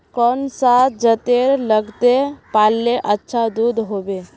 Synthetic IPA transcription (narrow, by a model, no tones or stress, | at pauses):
kɔnsad͡ʒət̪eɾləɡt̪epaːlːeʔətːʃʰad̪uːd̪ʱɦoːbe